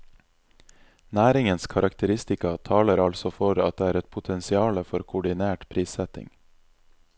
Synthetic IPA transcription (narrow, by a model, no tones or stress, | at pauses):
næːɾɪŋənskʰɑɾʔɑkt̪ʰəɾɪst̪ɪkɑt̪ʰɑːləɾɑlsɔfɔɾɑ̰t̪̚d̪eːæːɾɛt̪̚pʰʊt̪ʰɛnsɪɑːləfɔɾkʰʊɖɪneːʈpʰɾiːsɛt̪ɪ̰ŋ